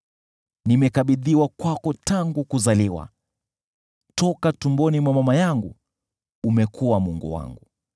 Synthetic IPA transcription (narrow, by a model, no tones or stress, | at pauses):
nimɛkaɓiðiwakwakɔtaŋɡukuzaliwa̰ | tɔkatumbɔnimwamamajaŋɡu | umɛkʰuwamuŋɡṵwa̰ŋɡu